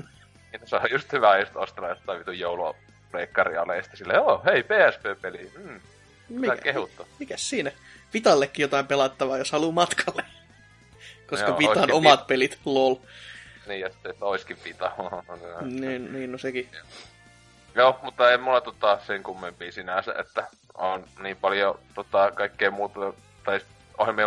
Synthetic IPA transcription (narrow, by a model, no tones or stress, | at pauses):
n | niːt̪osojjust̪hyʋæjust̪ost̪lɑost̪ːˑɑiʋit̪ujjoulṵ | pleikːɑrḭɑ̰lːḛjɑsi̥t̪ːesilːḛoːheipeːæspeːpelim̩ | mikehut̪ːomikæssiːnæ | ʋit̪ɑlːekːijot̪ɑimpelɑt̪ːɑʋɑːjoshɑluːmɑt̪kʰɑlːe | koskɑʋit̪ɑnomɑt̪̚pelit̪lolniːjɑsi̥t̪ːet̪ːæoiskiʋʋit̪ɑɑnsenæniːnniːnnoseki | joːmut̪ːɑeimulːɑt̪ot̪ɑseŋkumːimpiːsinæsæ̰ʔḛt̪ːæ | onniːmpɑljot̪ot̪ɑˑkɑikːeːmuːt̪ɑ | t̪ɑis | oheme